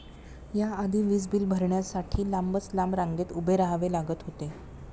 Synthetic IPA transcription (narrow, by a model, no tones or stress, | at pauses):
jaːd̪ʱiːʋiːd͡zbiːlbʱəɾɳjasaʈʰiːlambət͡slambɾãŋɡet̪ubʱeɾaɦʋelaɡət̪ɦot̪e